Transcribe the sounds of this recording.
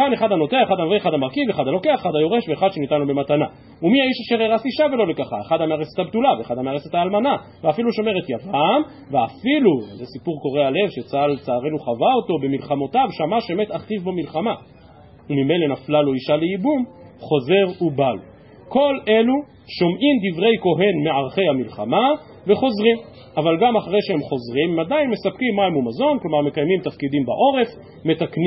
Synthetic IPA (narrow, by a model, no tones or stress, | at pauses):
kaneχad̪hano̞teaeχad̪anaveeχad̪hamaʁkiveχad̪alo̞ke̞aχe̥χadajo̞ʁe̞ʃveeχad̪ʃenitanlobematana | umiaiʃaʃeʁeʁasiʃavelo̞le̞kaχaeχad̪hameaʁeset̪habtulaveeχad̪hameaʁeset̪aːlmana | veafiluʃo̞me̞ʁetjavam | veafiluzesipuʁko̞ʁe̞ale̞vʃet͡saalt͡saːʁenuχavao̞to̞bemilχamo̞tavʃamaʃemet̪aχtivbomilχama | umime̞jle̞naflaloiʃaleibum | χo̞ze̞ʁubalo̰ | ko̞lʔe̞lu | ʃo̞mʔimd̪ivʁe̞jko̞ɦe̞nmeaʁχe̞jhamilχama | veχo̞zʁim | avalɡamaχaʁe̞jʃehemχo̞zʁimemad̪ajnme̞sap̚kimːaimumazo̞nklo̞maʁme̞kajmimt̪afkid̪imbaʔo̞ʁe̞f | me̞t̪akn